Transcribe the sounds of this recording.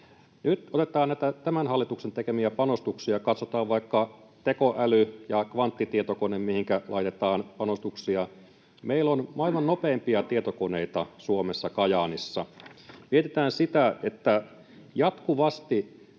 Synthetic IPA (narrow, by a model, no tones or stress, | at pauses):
nyt̪ot̪et̪ˑɑːnnæit̪æt̪æmænhɑlːit̪uksent̪ekemiæpɑnost̪uksiɑkɑt̪sot̪ɑːʋʋɑikːɑt̪ekoʔælyjɑkʋɑnt̪ːit̪iet̪okonemmihiŋkælʔɑ̰it̪et̪ɑːnpɑnost̪uksiɑ | meilːonmɑilmɑnnopeːmpiɑt̪iet̪okoneit̪ɑsuomesːɑkɑjɑːnisːɑmiet̪et̪æːnsit̪æet̪ːæ | jɑt̪kuʋɑst̪i